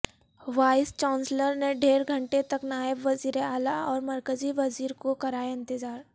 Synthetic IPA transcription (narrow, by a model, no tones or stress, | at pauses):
ʋaːɪst͡ʃãːnsləɾneɖʱeːɾɡʱə̃ɳʈet̪ɐknaːɪbʋɐziːɾeaːlaɔːɾmɐɾkəziʋɐziːɾkokɐɾaːjɪ̃nt̪ɪzaːɾ